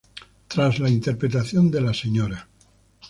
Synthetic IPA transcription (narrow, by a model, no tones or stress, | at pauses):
t̪ɾazlaint̪e̞ɾpɾet̪aθjo̞nd̪elaseɲoɾa